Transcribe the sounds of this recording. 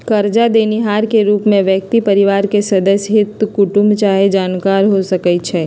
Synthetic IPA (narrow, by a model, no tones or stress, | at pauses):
kɐɾd͡ʒad̪eːniɦaːɾkeɾuːpmẽʋjək̚t̪ipɐɾɪʋaːɾkesɐd̪əsɦɪt̪kʊʈʊ̃mbt͡ʃaːɦed͡ʒaːnkaːɾɦosɐkəit͡ʃʰɛː